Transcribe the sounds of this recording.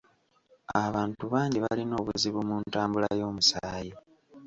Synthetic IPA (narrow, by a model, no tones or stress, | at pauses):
aβaːntuβaːɲɟiβalino̞ːβuziβumuntaːmbulajo̞ːmusaːji